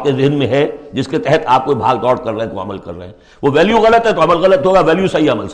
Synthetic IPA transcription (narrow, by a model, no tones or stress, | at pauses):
kezɪnmẽɦɛd͡ʒɪsket̪ɛɦɛt̪ʰaːp̚koibʱaːɡd̪ɔːɽkɐɾːɐɦɛ̃t̪oɐ̰məlkɐ̰ɾːɐ̰ɦɛ̃ː | ʋoʋɛːljuɣɐlət̪ɦɛt̪oɐməlɣɐlət̪ɦoːɡaʋɛːljusɐɦiɐməls